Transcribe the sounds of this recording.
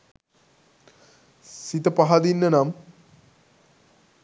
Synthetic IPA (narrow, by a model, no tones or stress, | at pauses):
sit̪ɐpaɦad̪inːɐnam